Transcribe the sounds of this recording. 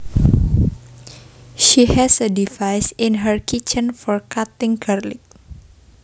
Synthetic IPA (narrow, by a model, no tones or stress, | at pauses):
ʃihɛsədivajsɪnɦəɹkit͡ʃənfɔɹkat̪ɪ̃ŋɡaɾlɪ̰k̚